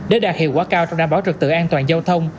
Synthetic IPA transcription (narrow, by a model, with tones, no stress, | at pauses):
ɗe˨˦ɗaː˨˩k̚hḭ˧˨əwkwaː˨˦kaː˧wt͡ɕɔ˧wŋ͡mɗaː˨˩ɓaː˨˦wt͡ɕɨ˨˩k̚t̪ɨ̰˧˨ʔaː˧nt̪waː˨˩nza˧wt̪ʰə˧wŋ͡m